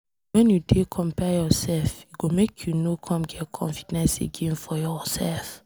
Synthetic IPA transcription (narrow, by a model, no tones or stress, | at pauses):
wɛ̃njudekʰɔ̃mpɛjɔsɛlfjuɡomekʰjunokʰɔ̃mɡɛtkʰɔ̰̃ɱfi̥dɛ̃nsḛɡẽnfɔjɔsɛlf